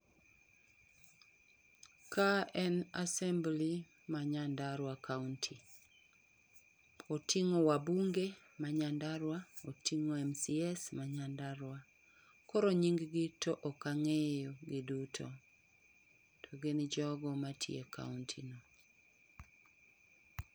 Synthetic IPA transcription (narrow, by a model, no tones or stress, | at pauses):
kʰaɛnasɛmbli | maɲandaɾwakauntʰi | otʰiŋowabuŋɡe | maɲandaɾwaotʰiŋoɛmsiɛsmaɲandaɾwa | kɔɾoɲiŋɡɡɪtɔʔɔkaŋejoɡɪdutʰo | tʰɔɡenɪd͡ʒɔɡɔmatʰjḛka̰untʰḭno